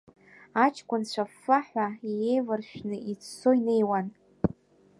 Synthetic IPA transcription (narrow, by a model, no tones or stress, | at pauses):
at͡ʃʰkʷʼʊnt͡ɕʷʰafːaħʷaije̞jvɨrʃᶣnɨʔit͡sʰso̞ine̞jwan